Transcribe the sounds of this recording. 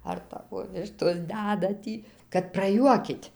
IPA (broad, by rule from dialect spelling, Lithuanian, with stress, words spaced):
ɐr ˈtɑːʋoː ˈʋʲɪʃtoːs ˈdʲædɐ ˈtʲiː kɐt prɐˈjuɔkʲɪtʲ